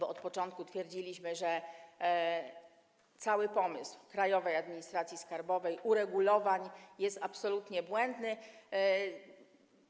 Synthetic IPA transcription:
bɔɔt̪pɔt͡ʂɔnt̪̚kut̪fʲjɛɾd͡ʑilʲiɕmɘʐɛ | t̪sawɘpɔmɘ̰swkɾajɔvɛjad̪mʲiɲist̪ɾat̪sʲjiskaɾbɔvɛjʔuɾɛɡulɔvaɲjɛst̪apsɔlut̪ɲɛbwɛnd̪nɘ

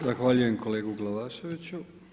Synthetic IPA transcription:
zaxʋaːʎuje̞mko̞le̞ːɡuɡlaʋaːʃeʋit͡ɕu

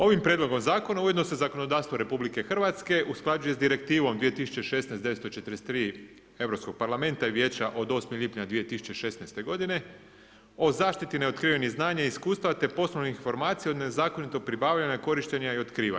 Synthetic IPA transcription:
o̞ʋimpɾjed̪lo̞ɡo̞mzaːko̞nauje̞d̪no̞sezako̞no̞d̪aːɾst̪ʋoɾe̞publike̞xr̩ʋat̪ske̞ʔusklˠad͡ʒuje̞zd̪iɾe̞k̚t̪iːʋo̞md̪ʋije̞t̪isu̥t͡ɕeʃe̞snejsd̪eest̪ot͡ʃe̞t̪əɾest̪ːɾiː | e̞ʋɾo̞psko̞ɡ̥̚paɾlame̞nt̪aiʋje̞ːt͡ɕaʔo̞d̪o̞ːsmeʎipɲad̪ʋije̞t̪isu̥t͡ɕe̞ʃe̞snajst̪e̞ɡo̞d̪ine̞ | o̞zaːʃt̪it̪ineo̞t̪kɾiːʋeniznaːɲaiskuːst̪aʋat̪e̞po̞sloniinfo̞ɾmaːt̪sijeod̪nezaːko̞nit̪o̞ɡ̚pɾibaːʋʎaɲako̞ɾiʃt̪eɲaio̞t̪kɾiːʋa̰

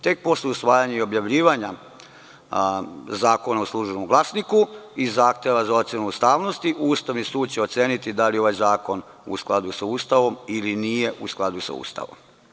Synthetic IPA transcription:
t̪e̞k̚po̞sleusʋaːjaɲeio̞bjaʋʎiːʋaɲa | zaːko̞nauslˠuːʒenomɡlˠasnikuizaːxt̪eʋazao̞t̪sjenuːst̪aːʋno̞st̪iʔuːst̪aʋnisuːd̪̚t͡ɕeot̪seːnit̪id̪alio̞ʋajzaːko̞n | ṵsklˠad̪usauːst̪aʋo̞milinije̞ʔusklˠad̪usa̰ṵːst̪a̰ʋo̞̰m

